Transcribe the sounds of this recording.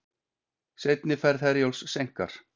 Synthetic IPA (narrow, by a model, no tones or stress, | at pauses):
sejt̪nɪfɛɾðhɛɾjowlssejŋ̥ka̰ɾ̥